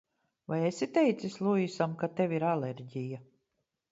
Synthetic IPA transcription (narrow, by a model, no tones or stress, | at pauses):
vajesʲit̪ɛjt̪sislˠuisamkat̪evʲiɾaleɾɟʲija